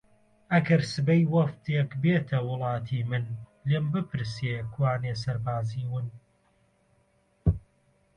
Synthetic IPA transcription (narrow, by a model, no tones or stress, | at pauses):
ʔɐɡɐɾsɨbɐjwɐft̪ekbeːt̪ʰɐwʊlˠɑːt̪ʰiːmɨnlembɨpʰɨɾsekʰwaːnes̬ɐɾbaːziːwɨn